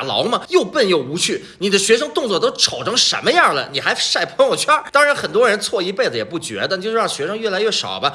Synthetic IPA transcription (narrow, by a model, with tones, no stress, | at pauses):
lɑ̰˧˥ʊmɐ˧jo˥˧ʊpə˥˧njo˥˩ʊu˧˥t͡ɕʰy˥˩ | ni˨˩d̪ə˦ɕɥɛ˧˥ʂɤ˥ŋt̪ʊ˥˧ŋt͡swɔ˥˩t̪̬o˥ʊʈ͡ʂʰɑ˨˩ʊʈ͡ʂʰɤ˧˥ŋʂə̰˧˥nmə˧jɑ˥˩lə˩ni˨˩xa˧˥ɪʂa˥˩ɪpʰɤ˧˥ŋjo˥˩ʊt͡ɕʰɥa˥t̪ɑ˥ŋɻa˧˥nxə˨˩nt̪̬wɔ˥ɻə˧˥nt͡sʰwɔ˥˧i˧˥pe˥˩ɪd͡zə˩jɛ˨˩pu˥˩t͡ɕɥɛ̰˧˥d̪ə˧t͡ɕjo˥˧ʊʂɻ̩˥ɻɑ˥˩ŋ˩ɕɥɛ˧˥ʂɤ˥ŋɥɛ˥˩la˧˥ɪɥɛ˥˩ʂɑ̰˨˩ʊbɐ˦